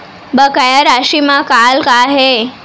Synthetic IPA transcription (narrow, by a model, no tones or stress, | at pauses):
bəkajaɾaʃimakalkaɦe